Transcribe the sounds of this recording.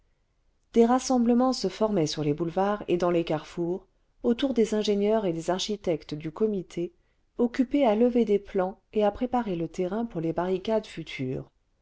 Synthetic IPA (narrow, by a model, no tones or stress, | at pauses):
d̪̥eʁasɑ̃bləmɑ̃səfɔʁmɛsyʁlebulvaʁḛd̪ɑ̃lekaʁfuʁ | ot̪uʁd̪ezɛ̃ʒenjœʁed̪ezaʁʃit̪ɛkt̪d̪ykɔmit̪ʰe | ɔkʲypealəved̪eplɑ̃eapχepaʁelət̪eʁɛ̃puʁlebaʁikad̪fyt̪ʰy̰ːʁ